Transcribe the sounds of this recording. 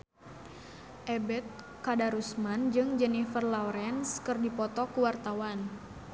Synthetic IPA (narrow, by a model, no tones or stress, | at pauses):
ʔɛbɛt̪̚ | kadaɾusmand͡ʒɨŋd͡ʒɛnifərlauɾɛnskɨrdipɔt̪ɔkuwart̪awan